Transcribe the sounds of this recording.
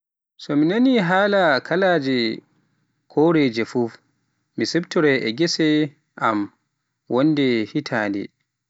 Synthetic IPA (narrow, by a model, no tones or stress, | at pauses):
sɔminaniɦaːlakʰalaːd͡ʒɛ | kʰɔɾɛd͡ʒɛfuf | misɛbtɔɾɛʔɛɡɛsɛ | ʔam | wʔɔndɛhitʰaːndɛ̰